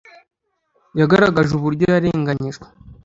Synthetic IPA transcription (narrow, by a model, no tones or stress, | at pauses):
jaɡaɾaɡaʒuβuɾɟo̞jaɾe̞ːŋɡaɲiʒɡwe̥